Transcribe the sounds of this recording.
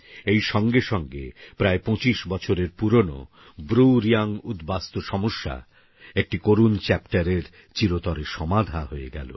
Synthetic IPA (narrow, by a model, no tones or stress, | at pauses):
ejʃɔŋɡeʃɔŋɡḛpɾaepõt͡ɕiʃbɔt͡ɕʰoɾeɾpuɾono̰ | bɾuɾiaŋud̪bast̪oʃɔmoʃːa̰ | ek̚ʈikoɾunt͡ɕɛpʈaɾeɾ | t͡ɕiɾot̪ɔɾeʃɔmad̪ʱaɦoeɡɛ̰lo̰